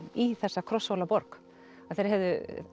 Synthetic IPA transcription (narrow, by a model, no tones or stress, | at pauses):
iθɛsːakʰɾɔsːowlapɔɾk | aθejɾhɦɛvðʏ